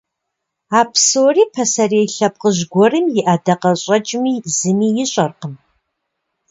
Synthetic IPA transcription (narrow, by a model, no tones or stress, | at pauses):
aːpʰsuwriːpʰɐsɐreːjɬɐp̚qəʑɡʷɔrɨmjɪʔadɐqɐɕʼɐt͡ʃʼmiːzɨmiːjɪɕʼɐrqəm